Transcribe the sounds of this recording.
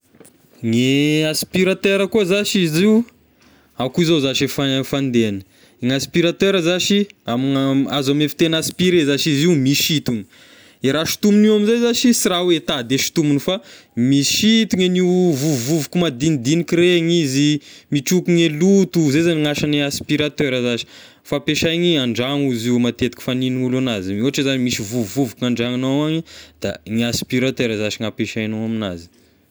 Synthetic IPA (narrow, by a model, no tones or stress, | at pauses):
ŋeaspiɾat̪eɾəkuazaʃiziw | akuizozaʃefafand̪eanə̥ | iŋaspiɾat̪eɾəzaʃiamiaazamefi̥t̪enaspiɾezaʃiziumiʃit̪uŋi̥ | eɾaʃi̥t̪umuniwamizejzaʃisirawet̪ad̪eʃi̥t̪umunifamiʃit̪uŋenivuvuvukumad̪inid̪inikiɾeŋizimiʈ͡ʂukuŋelut̪uzezaniŋaʃaniaspiɾat̪øɾəzaʃi̥ | fapeʃajŋiaɳɖ͡ʐaŋuziumat̪et̪ikʲi̥faniniulanaziuaʈ͡ʂezanimisivuːuvukuaɳɖ͡ʐaŋanowaɲid̪̥a̰ŋaspiɾat̪eɾəzaʃiŋapeʃajnowamina̰zi̥